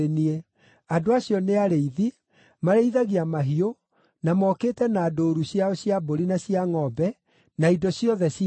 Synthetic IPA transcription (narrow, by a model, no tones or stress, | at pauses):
enie | adoaɕijɔneaɾeiði | maɾeiðaɣiamaɦio | namɔkeːtɛnaːdoːɾuɕiaɔɕjaboɾinaɕijaŋɔbɛ | naidɔɕjɔðɛs